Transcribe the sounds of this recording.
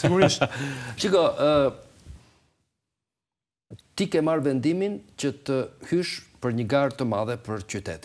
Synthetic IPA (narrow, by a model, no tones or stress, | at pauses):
siɡuɾʃt̪ʃiɡɔʔə | t̪ikɛmaɾvɛnd̪imincət̪əhyʃpəɾɲəɡaɾt̪əmaðɛpəɾt͡ɕyt̪ɛ̰t̪i̥